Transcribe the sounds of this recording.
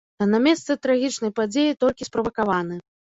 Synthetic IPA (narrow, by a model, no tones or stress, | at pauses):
ɐnamʲɛst̪sɨt̪ɾaɣʲit͡ʂnɐjpad͡zʲejit̪ɔlʲkʲispɾɐvɐkavanɨ